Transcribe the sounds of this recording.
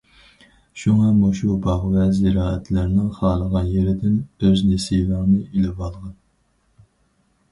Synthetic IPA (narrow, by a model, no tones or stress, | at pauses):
ʃuŋɑmuʃubɑʁvɛzɪɾɑːɛt̪ʰlæɾnɪŋχɑːlˠəʁɑnjeɾɪd̪ɪnøznesilɑŋnɨilɪbɑlˠʁɑn